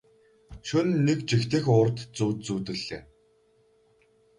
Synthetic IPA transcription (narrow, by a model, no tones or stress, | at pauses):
ʃʊnːekt͡ɕixt̪ɘ̆xʊːrt̪t͡suːt̪t͡suːt̪ɘ̆ɮeː